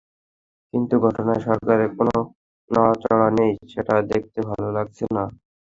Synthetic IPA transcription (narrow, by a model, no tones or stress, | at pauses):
kint̪uɡʱɔʈonaeʃɔɾkaɾekono | naat͡ɕɔɽanejʃeʈad̪ek̚ʰt̪ebʱalolaɡ̚t͡ɕʰena